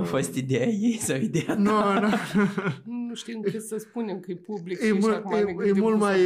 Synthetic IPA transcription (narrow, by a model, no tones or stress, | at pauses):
fost̪id̪eajejsawid̪eanono | nuʃt̪imŋɨt̪səspunemkəjepublijemujejemult̪maj